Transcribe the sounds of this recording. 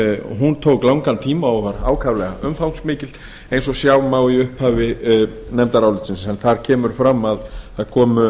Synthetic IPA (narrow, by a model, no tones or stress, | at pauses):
ɦunt̪ʰowklawŋkant̪ʰiːmaahaɾaːwkʰavlɛɣa̰ʔʏmfawnsmɪːcɪl | ẽjnsɔsjawmaːwiʏhphaːvɪ | nɛmt̪aɾawlɪt̪sɪnsɛnθaɾ̥cʰɛːmʏɾfɾamːaðaðkʰɔːmʏ